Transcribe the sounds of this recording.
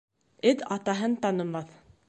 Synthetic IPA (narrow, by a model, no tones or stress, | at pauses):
ɘðɑt̪ɑɦɤnt̪ɑnɤ̆mɑθ